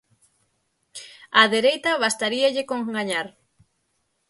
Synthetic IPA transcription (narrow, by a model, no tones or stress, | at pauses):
ɐðeɾejt̪ɐβast̪aɾiɐʎɪkoŋɡaɲaɾ